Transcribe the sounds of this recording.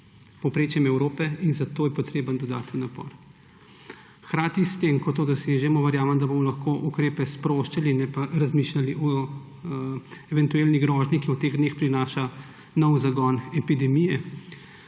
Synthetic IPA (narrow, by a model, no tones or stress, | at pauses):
pɔpɾeːt͡ʃjɛmɛwɾoːpɛinzat̪oːjɛpɔt̪ɾeːbənd̪ɔd̪a̰ːt̪ənːapɔ̰ɾ | xkɾaːt̪ist̪emkɔt̪od̪ɔseʒɛmɔʋəɾjaːʋəmd̪abomɔlɐxkoːʔukɾeːpɛspɾoːʃt͡ʃalinɛpaɾazmiʃlʲaliʔɔ | ɛʋɛnt̪ueːlniɡɾɔʒnikiɔt̪eːɣd̪neːxpɾinaːʃa | nɔwzaɡɔnɛpid̪ɛmijɛ